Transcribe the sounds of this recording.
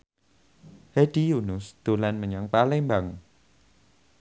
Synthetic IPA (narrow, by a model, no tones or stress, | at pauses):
heɖ̥ijunʊsd̪̥o̤lanməɲaŋpalɪmbaŋ